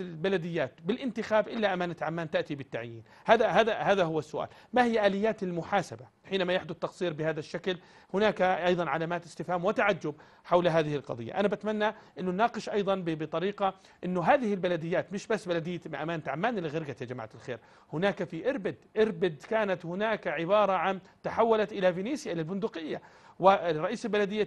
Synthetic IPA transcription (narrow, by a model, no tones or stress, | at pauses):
balad̪ɪjːaːt̪bɪlʔɪnt̪ɪxaːbʔɪlːaʔamaːnat̪ʕamːaːnt̪aʔt̪ibɪt̪ːaʕjḭːn | haːðahaːðahaːðaɦʊwːasːʊʔa̰ːl | mahɪjːaʔaːlɪjːaːt̪ɪlmʊħaːsaba | ħiːnamajaħd̪ʊθt̪ːɑqsˤiːɾbɪhaːðaʃːakl | hʊnaːkʔɑjðˤɑnʕalaːmaːt̪ɪst̪ɪfhaːmwɪt̪aʕad͡ʒːʊb̚ | ħawlɦaːðɪhɪlqɑ̰ðˤɨ̰jːa̰ʔanabʔat̪manːaʔɪnːʊnːɑːqɨʃʔɑjðˤɑnbɪbɪt̪ˤɑɾiːqɑ | ʔɪnːʊɦaːðɪhɪlbalad̪ɪjːaːt̪mɪʃbasːbalad̪ɪjːamɪʔa̰maːnt̪ʕamːaːnɪlɪɣɪɾɡat̪jad͡ʒama̰ʕt̪ɪlxḛːɾ | hʊnaːkafiʔɪɾbɪd̪ʔɪɾbɪd̪kaːnat̪hʊnaːkaʕɪbɑːɾˤɑʕan | t̪aħawːalat̪ʔɪlafiniːsjaʔɪlalbʊnd̪ʊqɪjːa | wɪrˤːɑʔiːsalbalad̪ɪjːa